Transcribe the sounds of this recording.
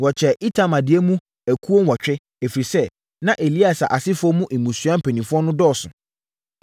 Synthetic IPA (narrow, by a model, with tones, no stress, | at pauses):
wɔ˨t͡ɕʰɛ˨ʔi˦tʰa˨mã˨dɪ˨ɛ˦mũ˦ | æ˨kʰu˦o˦nwɔ˨t͡ɕᶣɪ˦ | æ˨fi˨ɾi˨sɛ˦ | nã˦ʔe˨li˦a˨sa˨ʔa˨sɪ˦fʊ˦ɔ˦mũ˦ʔi˨mũ˨sɥã˦m̩˨pʰæ˨nĩ˨fʊ˦ɔ˦nʊ̃˦dɔː˦˨sʊ̃˨